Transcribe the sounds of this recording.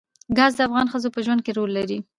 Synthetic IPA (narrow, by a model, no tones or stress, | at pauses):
ɡɑzd̪əafɣɑnxəzopəʒwand̪̚keɾolːaɾi